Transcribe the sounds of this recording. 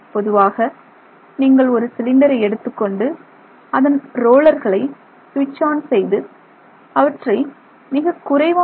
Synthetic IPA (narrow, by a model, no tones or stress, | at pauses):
pɔðɯʋaːɣɐ | niːŋɡɐɭɔɾɯsɪlɪɳɖɐɾɐɪɛɽɯt̪ːɯkːɔɳɖɯ | ɐðɐnɾoːɭɐɾɣɐɭɐɪ | sʋɪt͡ʃːaːnsɛjðɯ | ɐʋɐʈrɐɪ | mɪɣɐkʊrɐɪʋɐ